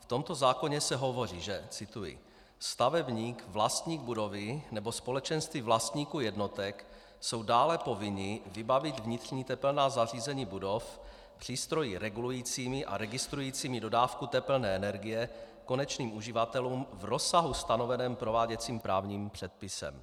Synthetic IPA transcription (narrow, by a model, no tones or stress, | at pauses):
ft̪o̞mt̪o̞zaːko̞ɲɛsɛɦo̞vo̞riːʒɛt͡sɪt̪ujɪ̰ | st̪avɛbɲiːkvlast̪ɲiːɡ̚budo̞vɪnɛbo̞spo̞lɛt͡ʃɛnst̪viːvlast̪ɲiːkuːjɛdno̞t̪ɛk | so̞wdaːlɛpo̞vɪɲɪvɪbavɪt̪vɲɪt̪r̝̥ɲiːt̪ɛplnaːzar̝iːzɛɲiːbudo̞f | pr̝̥iːst̪ɾo̞jɪɾɛɡulujiːt͡siːmɪʔa̰ɾɛɡɪst̪ɾujiːt͡siːmɪdo̞daːfkut̪ɛpl̩nɛːɛnɛɾɡɪjɛ | ko̞nɛt͡ʃniːmʔuʒɪvat̪ɛluːmvɾo̞saɦust̪ano̞vɛnɛːmpɾo̞vaːɟɛt͡siːmpɾaːvɲiːmpr̝̥ɛt̪̚pɪsɛ̰m